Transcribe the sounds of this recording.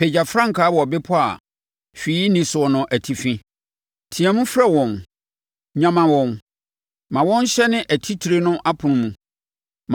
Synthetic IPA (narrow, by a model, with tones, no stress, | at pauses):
pʰe˨d͡ʑa˨fɾã˦ŋ˨kʰaː˦wɔ˨ɔ˨be˦pʰʊ˦a̰˨ | fi˨˦nĩ˨sʊ˨ɔ˨nʊ̃˨ʔæ˨tʰi˨fĩ˦ | tʰĩ˨a˨mũ˦fɾɛ˦wɔ̃˨n | ɲã˨mã˨wɔ̃˨n | mã˨wɔ̃˦n˦ɕɛ˦nɪ̃˦ʔæ˨tʰi˦tʰi˨ɾe˦nʊ̃˦ʔa˦pʰʊ̃˨ñ˦mũ˨ | m